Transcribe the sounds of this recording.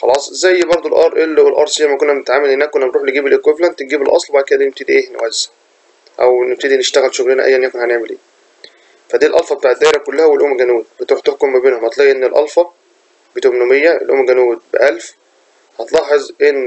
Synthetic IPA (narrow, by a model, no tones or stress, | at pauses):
xɑlɑːsˤʔezæjːbɑɾˤd̪ˤolʔɑɾˤʔelːelʔɑ̰ɾˤsˤijæmækonːæmnet̪ʕaːmːælʔenːæækonːælɾːˤuːħleɡiːbelʔeːkweflænt̪nɡiːbelʔɑ̰sˤlbaʕd̪̚ked̪æineb̚t̪ed̪iʔeːhenæ̰wæz̥ːæ̥ | ʔæ̰wneb̚t̪ed̪ineʃt̪æɣælʃoɣlenæʔæ̰jːænjækonhæneʕmelʔeː | fæd̪iːlʔɑlfɑbet̪aːʕed̪ːæːʔeɾækolːæhæwelʔomɡænuːd̪̚bet̪uħt̪oħkomːæbeːnhʊmæt̪ˤlɑːʔʔenːelʔɑ̰lfɑ | bet̪omnomejːæḛlʔo̰mɡænuːd̪̚beʔælf | hɑt̪lɑħːɑzʔenː